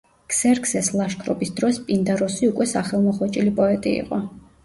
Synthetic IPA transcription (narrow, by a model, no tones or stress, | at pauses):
ksɛɾksɛslˠaʃkʰɾɔpisd̪ɾɔspʼind̪aɾɔsiukʼwɛsaχɛlˠmɔχɔt͡ʃʼilipʼɔɛt̪ʼḭḭqʼɔ